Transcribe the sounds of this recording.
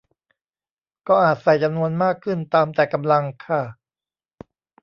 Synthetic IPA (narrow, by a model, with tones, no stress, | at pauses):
kɔː˥˩ʔaː˨˩t̪̚sa˨˩jt͡ɕa˧mnu˧ənmaː˥˩kʰːɯ˥˩nt̪aː˧mt̪ɛː˨˩ka˧mla˧ŋkʰa˥˩